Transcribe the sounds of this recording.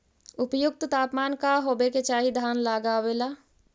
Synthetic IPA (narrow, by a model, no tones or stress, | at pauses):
ʊpjʊk̚t̪t̪aːpmaːnkaɦoːbeket͡ʃaːɦid̪ʱaːnlaːɡaːweːlaː